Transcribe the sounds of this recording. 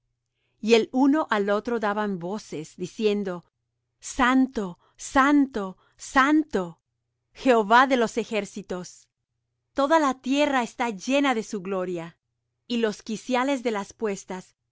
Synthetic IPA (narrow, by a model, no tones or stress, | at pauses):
ie̞luno̞ʔalo̞t̪ɾo̞ðaβambo̞se̞zd̪isje̞nd̪o̞ | sant̪o̞ | sant̪o | sant̪o̞ | xe̞oβaðe̞lo̞se̞xe̞ɾsit̪o̞s | t̪o̞ðalat̪je̞raest̪aʝe̞naðe̞suɣlo̞ɾja | ilo̞skisjale̞zðe̞laspwe̞st̪as